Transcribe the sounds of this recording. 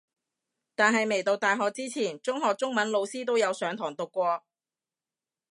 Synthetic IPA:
t̪aː˨nɦɐ˨jme˨˩jt̪o˨˧wt̪aː˨jɦɔː˨k̚t͡siː˥t͡sʰiː˨˩nt͡sʊ˥ŋɦɔː˨k̚t͡sʊ˥ŋmɐ˨˥nlo˨˧wsiː˥t̪o˥wjɐ˨˧wsœː˨˧ŋt̪ʰɔː˨˩ŋt̪ʊ˨kːʷɔː˧

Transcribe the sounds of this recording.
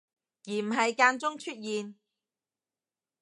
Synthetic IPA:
jiː˨˩m̩˨˩ɦɐ˨˧jkaː˧nt͡sʊ˥ŋt͡ʃʰɵ˥t̚jiː˨˧n

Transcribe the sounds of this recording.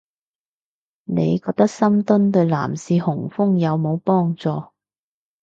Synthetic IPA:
ne˨˧jkɔː˧k̚t̪ɐ˥k̚sɐ˥mt̪ɵ˥nt̪ɵ˧ɥla̰ː˨˩msiː˧hʊ˨˩ŋfʊ˥ŋjɐ˨˧wmo˨˧wpɔː˥ŋt͡sɔː˨˧

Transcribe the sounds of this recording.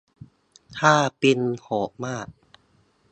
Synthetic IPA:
t̪ʰaː˥˩pi˧nhɔː˩˦maː˥˩k̚

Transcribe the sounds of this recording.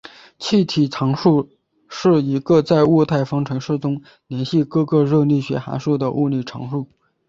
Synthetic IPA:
t͡ɕʰi˥˩t̪ʰi˨˩ʈ͡ʂʰɑ˧˥ŋʂu˥˧ | ʂɻ̩˥˩i˧˥ɡə˧t͡sa˥˧ɪu˥˧t̪ʰa˥˩ɪfɑ˥ŋʈ͡ʂʰɤ˧˥ŋʂɻ̩˥˩ʈ͡ʂʊ˥ŋ | ljɛ˧˥nɕi˥˧kɤ˥˧kɤ˥˧ɻɤ˥˧li˥˩ɕɥɛ̰˧˥xa̰˧˥nʂu˥˩d̪ə˩ʔu˥˧li˥˩ʈ͡ʂʰɑ̰˧˥ŋʂu˥˩

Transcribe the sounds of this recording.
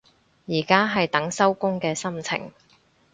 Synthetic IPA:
jiː˨˩kaː˥ɦɐ˨jt̪ɐ˨˥ŋsɐ˥wkʊ˥ŋkɛː˧sɐ˥mt͡sʰɪ̰˨˩ŋ

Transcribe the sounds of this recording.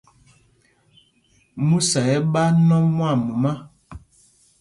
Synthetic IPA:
mũ˦sa˨ɛ˦ɓa˦nɔ̃˦mwa˦˨mu˨ma˦

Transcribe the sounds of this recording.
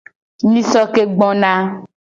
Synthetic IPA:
nĩ˦sɔ˦ke˦ɡ͡bɔ̃˦nã˦

